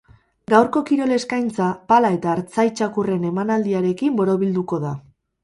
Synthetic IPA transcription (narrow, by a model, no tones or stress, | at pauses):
ɡawɾko̞kiɾo̞le̞skajnt͡sapalae̞t̪aːɾt͡sajt͡ʃakure̞ne̞manald̪iaɾe̞kimbo̞ɾo̞βild̪uko̞ða